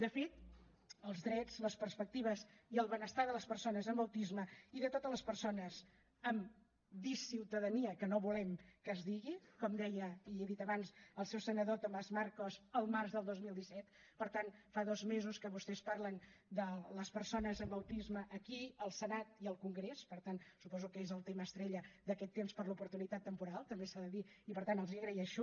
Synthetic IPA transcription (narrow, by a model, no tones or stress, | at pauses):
d̪əfet̪ | əlˠzðɾɛd͡zləspəɾspək̚t̪iβ̞əziəlˠβənəst̪aðələspərsonəzəmbəwt̪izməiðət̪ot̪əzləspəɾsonəz | əm | bisiwt̪əðəniəkənoβulɛmkəzðiɣikɔmd̪ɛjəieðit̪əβansəlˠsɛwsənəðot̪omazmaɾkozəlˠmarzðəlˠd̪ozmilˠd̪isɛt̪ | pəɾt̪anfaðɔzmezuskəβust̪ɛspaɾlənd̪ələspəɾsonəzəmbəwt̪izməʔːkiəlˠsənat̪iəlˠkuŋɡɾespəɾt̪ansupɔzukəezəlˠt̪eməːst̪ɾeʎəd̪əkɛt̪ːemspəɾlupuɾt̪unit̪at̪ːəmpuɾalˠt̪əmbesaðəðiipəɾt̪anəlˠziəɣɾiəʃu